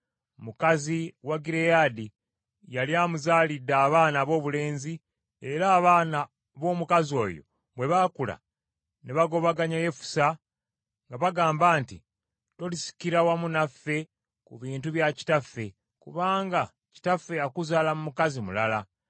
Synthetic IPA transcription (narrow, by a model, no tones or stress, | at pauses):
mukaziwaɡiɾejadi | jaljaːmuzaːlidːaːβaːnaβo̞ːβule̞ːnzi | e̞ɾaːβaːna | βo̞ːmukazio̞̰ːjo̞̰ | βwe̞βakula̰ | neβaɡo̞βaɡaɲaje̞fu̥sa | ŋɡaβaɡaːmbaːnti | to̞lisi̥kiɾawamunafːe̞ | kuβiːntuβjaci̥tafːe̞ | kuβaːŋɡa | ci̥tafːe̞akuzaːlamumukazimulala